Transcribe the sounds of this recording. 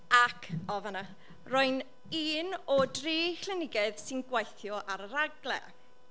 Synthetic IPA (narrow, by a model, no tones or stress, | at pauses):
akʰɔvana | rɔɨn | iːnɔdriːkl̥ˠɪnɪɡɛðsɪnɡwajθjɔʔaɾəɾaɡlˠɛ̰